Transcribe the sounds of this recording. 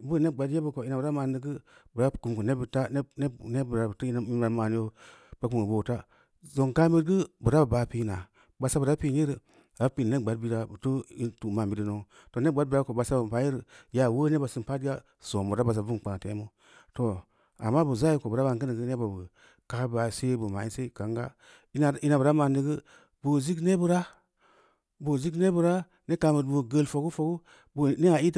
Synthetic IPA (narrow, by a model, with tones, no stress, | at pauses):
bu˦˨ne˦ɡ͡ba˨dje˦bu˦ko˨i˦na˨bɾa˦ma˨n˦dɨ˦ɡɨ˦bɨ˨ɾa˦˨ku˨m˨ko˨ne˦bi˨ta˦n˦ne˦ne˦bɾa˨btu˦n˦i˦a˨˦ma˨ni˦o˦ | ba˦ku˨ŋ˨bo˨ta˦ | zo˨ŋ˨ka˦mi˦dɡɨ˦bɨ˨ɾa˦ba˨ba˨pi˦na˨ | ba˨sa˦bu˨ɾa˦pi˦n˦i˦ɾɨ˨ | a˨˦pi˨n˨ne˦ɡ͡ba˨dbi˦ɾa˦bu˨tu˦i˦tu˨ma˨m˨bi˨˦di˦no˦ŋ | to˨ne˦˨ɡ͡ba˦bi˦ɾa˦ko˨ba˨sa˦bu˨pa˨˦ji˦ɾɨ˨ja˨wo˦ne˦ba˨sɨ˨m˨pa˦di˦a˦ | so˨mu˨ɾa˦ba˨s̬a˨vu˦n˨k͡pã˨te˨˦mu˦ | to˨ | a̰˨mːa˦bu˨za˦ji˦ko˨bu˨ɾa˦ba˧˨ŋkə˦nə˨ɡɨ˦ne˦ba˨bu˨ | ka˨˦ba˨se˦bu˨ma̰˨i˦nse˦˨ka˨˦ŋɡa̰˦˨˦ | i˦na˨bu˨ɾa˦ma˨ni˨˦ɡə˦ | bo˨zi˦kne˦bɨ˨ɾa˦ | bo˨zi˦kne˦bu˨ɾa˦ | ne˦ka˨bə˨tbo˨ɡə˨lfo˨ɡu˦fo˨ɡu˦ | bo˨ne˦a˨i˦t